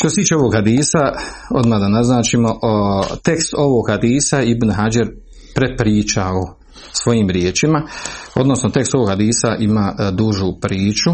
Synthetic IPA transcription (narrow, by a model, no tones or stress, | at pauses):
ʃt̪oset̪iːt͡ʃe̞o̞ʋo̞ːɡhad̪iːsaod̪mad̪anaznaːt͡ʃimoʔt̪e̞kst̪o̞ʋo̞ɡhad̪iːsaeibnɦad͡ʒaɾ | pɾepɾiːt͡ʃao | sʋo̞jiːmɾjeːt͡ʃimao̞d̪no̞snot̪e̞kst̪oʋoːɡhad̪iːsaʔimaːd̪uʒupɾiːt͡ʃu